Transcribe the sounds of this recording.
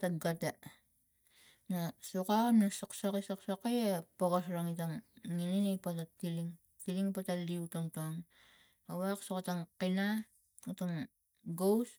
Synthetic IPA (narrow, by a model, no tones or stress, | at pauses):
taɡata | nasukamnasoksakisaksakajapoɡas̬ɾaŋitaŋŋininejpatatiliŋ | tiliŋpataliutoŋtaŋ | awaksokataŋkina | utaŋ | ɡows